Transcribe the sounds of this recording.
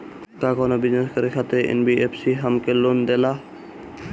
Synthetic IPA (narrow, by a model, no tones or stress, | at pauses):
kaːkoːnobɪzneskəɾekʰat̪eḛnbieːpʰsiɦəmkeloːnd̪elaː